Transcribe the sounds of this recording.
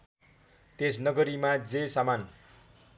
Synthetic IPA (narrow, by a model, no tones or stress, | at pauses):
t̪esnʌɡʌɾimad͡zesaman